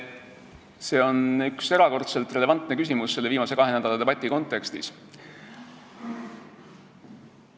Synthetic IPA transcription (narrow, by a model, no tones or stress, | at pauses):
se̞ːo̞nykse̞ɾɑko̞rt̪se̞lt̪re̞le̞vɑnt̪ːˑnekysʲimusːe̞lːeiːmɑse̞kɑɦenæd̪̥ɑlɑd̪e̞bɑt̪ʲːˑiko̞nt̪ːˑe̞kst̪is